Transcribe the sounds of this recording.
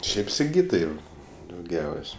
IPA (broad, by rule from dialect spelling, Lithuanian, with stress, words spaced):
ˈʃʲɛɪp sʲɪˈɡʲiːtɐɪ dɐʊˈɡʲɛʊsʲ